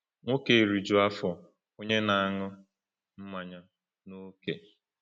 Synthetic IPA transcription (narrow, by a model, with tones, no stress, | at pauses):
ŋʷo˦ke˨ɾi˨d͡ʒu˨a˦fɔ˨ | o˦ɲe˦na˨a˨ŋʊ˦ | m̩˦ma˨ɲa˦ | no˦ke˨